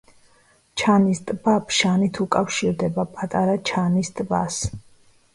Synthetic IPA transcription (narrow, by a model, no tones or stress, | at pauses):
t͡ʃʰanist̪ʼbapʰʃanit̪ʰukʼafʃiɾd̪ɛbapʼat̪ʼaɾat͡ʃʰanist̪ʼba̰s